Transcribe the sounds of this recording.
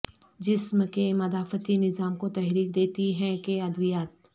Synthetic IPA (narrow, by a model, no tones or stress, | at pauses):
d͡ʒɪsmkemɐd̪aːfət̪inɪzaːmkot̪ɛɦɾiːk̚d̪eːt̪iɦɛ̃keɐd̪ʋwijaːt̪̚